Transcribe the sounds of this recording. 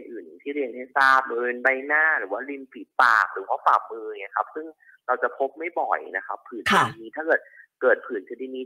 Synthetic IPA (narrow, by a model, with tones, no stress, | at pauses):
nʔɯː˨˩n˨˩t̪ʰiː˥˩ɾi˧ənha˥˩jsaː˥˩p̚o˧ɾi˧nba˧˩jnaː˥˩ɾɯː˩˦waː˥˩li˧mpi˨˩t̪̚pa̰ː˨˩k̚ɾɯː˩˦waː˦˥˩faː˨˩p̚mɯː˧jkʰa˦˥p̚sɯ˥˩ŋ | ɾa˧wt͡ɕa˨˩pʰo˦˥p̚ma˥˩jbɔ˨˩jna˦kʰa̰˦˥pʰːɯː˨˩˦nkʰa˧di˧miː˧˥t̪ʰaː˥˩kɤː˨˩t̪̚kɤː˨˩t̪̚pʰɯː˨˩˦nkʰɯ˧di˧niː˦˧˥